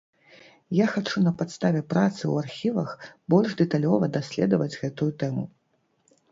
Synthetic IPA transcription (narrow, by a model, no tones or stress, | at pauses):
jaxat͡ʂunɐpat̪st̪avʲɛpɾat̪sɨw̰arxʲivɐxbɔlʲʐd̪ɛt̪alʲɔvɐd̪asʲlʲɛ̰d̪ɐvɐd͡zʲɣɛt̪ujut̪ɛmu